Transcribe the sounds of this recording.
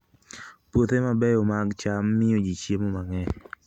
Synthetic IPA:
pwot̪emabɛjomaɡt͡ʃamːɪod͡ʒit͡ʃjemomaŋɛ

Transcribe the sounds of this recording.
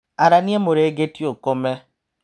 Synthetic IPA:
aɾaniemoɾeɡetiokome

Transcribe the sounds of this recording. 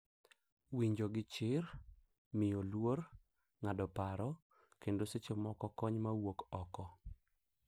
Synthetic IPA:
wiɲd͡ʒoɡɪt͡ʃɪr | mɪjolwor | ŋadɔpaɾɔ | kendoset͡ʃomɔkɔkɔɲmawokɔkɔ

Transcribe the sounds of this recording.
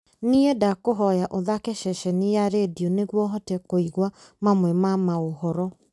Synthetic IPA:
niedakoɦɔjaʔoðakɛʃɛʃɛnijaɾedioneɣwɔɦɔtɛkoiɣwamamwɛmamaohɔɾɔ

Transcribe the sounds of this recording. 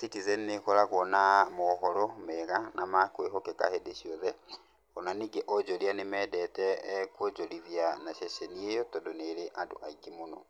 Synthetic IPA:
sikizɛnekɔɾaɣɔnamɔɦɔɾɔmɛɣanamakweɦɔkeka̰hedeɕiɔðɛ | kɔnaniɡeʔɔd͡ʒɔɾianemɛːdɛtɛkwɔd͡ʒoɾiðianaʃɛʃeniejɔtɔndoneɾeʔado̰ʔaiɡemonɔ̰

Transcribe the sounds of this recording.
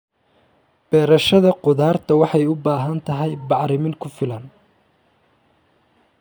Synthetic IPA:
b̥ɛːɾɐʃɐðɐqʊðaːrt̪ʰɐwɑħɑjʊbaːɦɐnt̪ʰɐɦɛjbɑʕɾɪmɪŋkʰʊfɪlɐn

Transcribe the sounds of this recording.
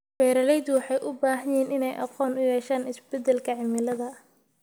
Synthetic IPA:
fɛːɾɐlɛjd̪ʊwɑħɑjʔʊbaːɦɐjɛːnɪnɛjʔɑ̰qɔːnʊjɛːʃaːnɪsbɛd̪ɛlkʰɐʕɪmɪlɐðɐ

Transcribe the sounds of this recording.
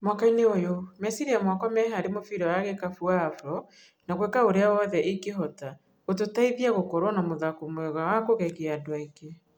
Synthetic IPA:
mwakaineojomɛsiɾiamwakɔmɛɦaɾemofiɾɔjaɣekafuaːfɾɔ | naɣwekaoɾeaɔðɛʔikeɦɔta | ot̬otaiðiaɣokɔɾwɔnamoðakomwɛɣawakoɣɛɣeadoaike

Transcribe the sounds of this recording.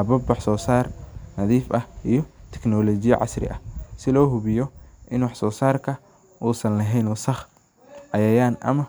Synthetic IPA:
hɐbɐbwɑħsɔːsaːrnɐðiːfɐhʔijɞt̪ʰɛ̥knɔlɔt͡ʃɪjɐ̰ʕɑ̰srɪ̰ʔɐ̰sɪlɔːɦʊβɪjɔʔɪnwɑħsɔːsaːrkʰɐ | ʔuːsɐnlɐɦɛjnwsɐχ | ʕɑjɐjaːnɐ̰mɐ

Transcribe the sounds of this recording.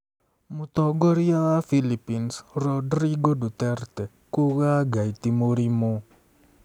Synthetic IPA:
mʊt̪ɔɡɔɾiaafilipinsrɔdriɡodut̪ɛrt̪ɛ | kuɣaɡait̪imoɾimo

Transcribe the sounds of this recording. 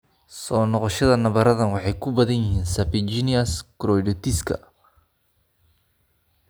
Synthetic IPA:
sɔːnɔqɔʃɐðɐnɐβɐɾɐðɐnwɑħɑjkʰʊbɐðɐnjɪɦiːnsɐpɪt͡ʃiniɐskɾɔjɖɪt̪iskʰɐ̰

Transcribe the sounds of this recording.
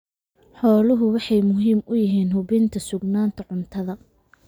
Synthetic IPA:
ħɔːlʊɦʊwɑħɑjmʊɦiːmʊjɪɦiːnɦʊβɪnt̪ʰɐsʊɡnaːnt̪ʰɐʕʊnt̪ʰɐðɐ

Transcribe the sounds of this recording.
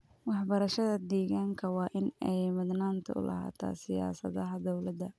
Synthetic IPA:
wɑħbɐɾɐʃɐðɐd̪ɛːɣaːŋkʰɐwɑːʔɪnɛjmʊd̪naːnt̪ʰɐ̰ʊ̰lɐ̰ɦa̰ːt̪ʰa̰ːsɪja̰ːsɐ̰ðɐɦɐd̪ɔwlɐd̪ɐ

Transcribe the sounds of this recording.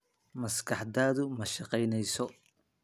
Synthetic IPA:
mɐskʰɑħd̪aːðʊmɐʃɑqɛjnɛjsɔ

